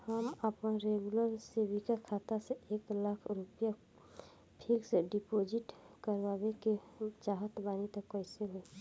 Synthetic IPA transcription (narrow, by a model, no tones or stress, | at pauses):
həməpnaɾeɡuləɾsebikakʰaːt̪aseeːklakʰɾupja | pʰilseɖipod͡ʒiʈ | kəɾʋabeket͡ʃaːɦət̪baːnit̪əkːəseɦoẽ